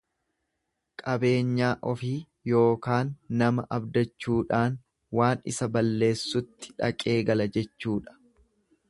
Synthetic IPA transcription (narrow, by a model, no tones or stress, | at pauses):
kʼɐbe̞ːɲːaːʔɔfiː | jo̞ːkaːnːɐmɐʔɐbd̪ɐt͡ʃːuːᶑaːn | waːnɪ̰sɐbɐlːe̞ːsːʊt̪ːɪ̥ᶑɐ̰kʼe̞ːɡɐlɐd͡ʒɛt͡ʃːuːᶑɐ̥